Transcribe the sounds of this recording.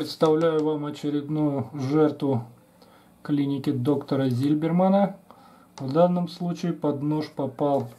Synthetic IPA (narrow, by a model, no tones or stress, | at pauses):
pɾʲɪt̪st̪ɐvlʲæjʊvamɐt͡ɕɪɾʲɪd̪nujʊʐɛrt̪vʊ | klʲinʲɪkʲɪd̪o̞kt̪əɾəzʲɪlʲbʲɪrmanə | vd̪anːəmslˠut͡ɕɪɪpɐd̪noʂpɐpɑlˠ